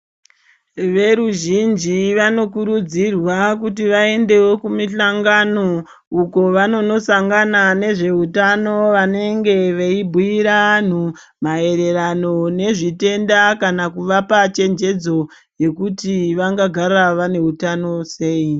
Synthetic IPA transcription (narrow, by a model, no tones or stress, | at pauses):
ʋe̞ɾuʒind͡ʒiʋano̞kuɾud͡zirwak̬ut̬iʋae̞nde̞wo̞kumiɬaŋɡano̞ | uko̞ʋano̞no̞saŋɡanane̞ʐe̞ɦutano̞ʋane̞ŋɡe̞ʋeibʱuiɾan̤u | mae̞ɾe̞ɾano̞ne̞ʐite̞ndakanakuʋapat͡ʃe̞nd͡ʒe̞d͡zo̞ | je̞kutiʋaŋɡaɡʱaraʋane̞ɦutano̞se̞ːi